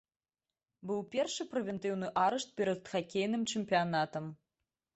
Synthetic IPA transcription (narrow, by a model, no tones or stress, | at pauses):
bɨwpʲɛrʂɨpɾɛvʲɛnt̪ɨwnɨʔaɾɛʂt̪̚pʲɛɾɐd̪xakʲejnɨmt͡ʂɨmʲpʲijanat̪ɐm